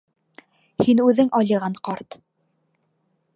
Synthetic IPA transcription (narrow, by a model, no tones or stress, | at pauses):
hinʉðɘŋɒlʲɤ̆ʁɑɴqɑɾt̪